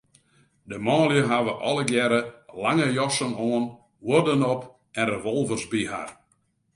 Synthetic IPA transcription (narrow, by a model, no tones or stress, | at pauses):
dəmɔːljəɦaʋəʔɔləɡjɛɾəlaŋəjɔsənoːən | wodənɔp | ɛnreʋɔlˠvərsbiɦa̰r